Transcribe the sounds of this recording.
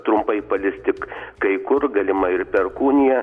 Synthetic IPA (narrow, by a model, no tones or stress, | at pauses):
t̪ɾʊmpɐɪpɐlʲɪst̪ʲɪkkɐɪkʊrɡɐlʲɪmɐɪrpʲɛrkuːnʲɪjɛ